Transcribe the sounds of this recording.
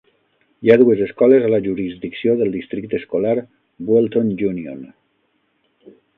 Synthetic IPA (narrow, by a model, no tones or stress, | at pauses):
jaðuezeskɔlezalaʒuɾizd̪iksioðəlˠd̪ist̪ɾik̚t̪eskolaɾ | bwolˠt̪ond͡ʒunio̰n